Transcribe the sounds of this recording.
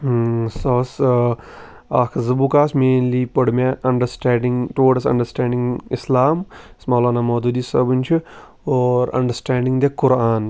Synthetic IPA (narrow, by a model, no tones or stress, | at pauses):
soːs | aːkʰzɐbukaːsmeːnlipɐɽmaʔɐɳɖəsʈaːɖɪŋʈoːʈɐsɐ̰̃ɳɖɐɾsʈɛ̃ːɳɖɪiŋɪslaːmsmaːlaːnamoːd̪ud̪iːsɐ̰binʲt͡ʃʰi | oːɾɐ̰̃ɳɖəɾsʈɛ̃ːɳɖiŋd̪ekʊɾaːn